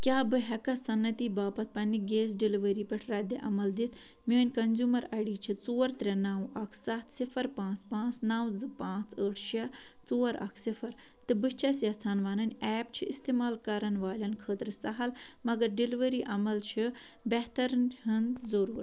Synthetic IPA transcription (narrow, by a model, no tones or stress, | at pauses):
kʲjaːbɨɦʲɐkɐsɐnːɐt̪iːbaːpɐt̪̚ʰpɐnʲːiɡeːsɖiliʋɐɾiːpɐʈʰɾaːd̪eʔɐmɐld̪it̪ʰ | minʲkɐnzʲjuːmɐɾɐɽiːt͡ʃʰit͡soːɾt̪ɾʲɐnaːwʔɐkʰsɐt̪ʰsifʰɐɾpãːt͡spãːt͡snaːwd͡zɨpãːt͡səːʈʰʃɐ | t͡soːɾɐ̰kʰsifʰɐɾ | t̪ɨbɨt͡ʃʰɐsjɐt͡sʰaːnʋaːnɐnʲɛːpt͡ʃʰiist̪eːmaːlkɐɾɐnʋaːlʲɐnkʰəːt̪ɾɨsɐɦɐlmɐɡɐɾɖiliʋəɾiːʔɐmɐlt͡ʃʰi | bɛɦt̪ɐɾnhɨnzɐɾuːɾ